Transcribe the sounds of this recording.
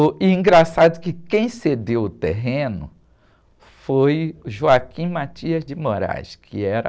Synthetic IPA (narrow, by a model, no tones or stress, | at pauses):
ɪĩɡɾasad̪ʊkɪkẽj̃sed̪ewʊt̪ḛɦẽnʊ̰ | fojʊʒuakʰĩmat͡ʃiɐzd͡ʒɪmoɾa̰jskʰɪɛɾɐ̰